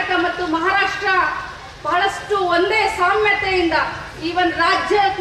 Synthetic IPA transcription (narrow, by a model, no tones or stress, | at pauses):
kɐmɐt̪ːumɐɦaːɾaːʂʈɾɐ | b̥ɐɦɐɭɐsʈuond̪eːsaːmjɐt̪ɛjind̪ɐ | iːʋɐnd̪uɾaːd͡ʒjɐɐk